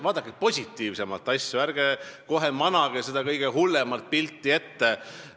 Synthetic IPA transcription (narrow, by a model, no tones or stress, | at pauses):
vɑːd̪̥ɑkːˑepo̞sʲit̪ːˑiːvse̞mɑlt̪ːˑɑsʲːjuæɾɡ̥eko̞ɦemɑnɑɡ̥esed̪̥ɑkɤjɡ̥eɦulːemɑlt̪̚pilt̪ːie̞t̪ːe